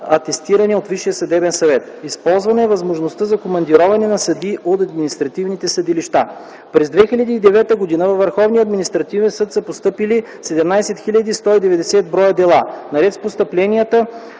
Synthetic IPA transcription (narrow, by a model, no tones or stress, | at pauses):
ɐt̪ɛst̪iɾɐnɛot̪viʃijəsɐd̪ɛbɛnsɐvɛt̪ | ispɔlˠzvɐnɛɛvɐzmoʒnost̪əzɐkomɐnd̪iɾɔvɐnɛnɐsɐd̪iʔot̪ɐd̪minist̪ɾɐt̪ivnit̪ɛsɐd̪iliʃt̪a | pɾɛzd̪vɛxilʲɐd̪iːd̪ɛvɛt̪əɡod̪inəvɐvːəɾxɔvnijəɐd̪minist̪ɾɐt̪ivɛnsɤt̪səpost̪ɤpili | sɛd̪ɛmnajsɛt̪xilʲɐd̪ist̪ɔid̪ɛvɛd̪ɛsɛd̪̚bɾɔjəd̪ɛlˠanɐɾɛt̪spost̪əplɛnijət̪ə